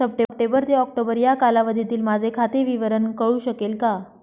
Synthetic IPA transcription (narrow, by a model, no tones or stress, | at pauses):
əp̚ʈepʈebəɾt̪eɔk̚ʈobəɾjakalaʋəd̪ʱit̪iːlmad͡zʱekʰat̪eʋiʋəɾəɳkəɭuːɕəkelka